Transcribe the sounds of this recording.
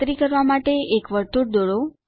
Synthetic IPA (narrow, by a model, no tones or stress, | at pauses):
t̪ɾikəɾʋamaʈeekʋəɾt̪uɽd̪oɭo